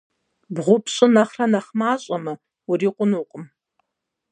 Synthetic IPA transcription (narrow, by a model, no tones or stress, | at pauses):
bʁʷʊpʰɕʼɪnɐχrɐnɐχmaːɕʼɐmɐ | wriːqʷʼʊnuqʼʊm